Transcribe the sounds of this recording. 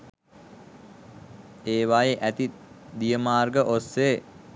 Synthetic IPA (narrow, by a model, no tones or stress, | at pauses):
eːʋajeʔæt̪id̪ijəmaːrɡəʔosːeː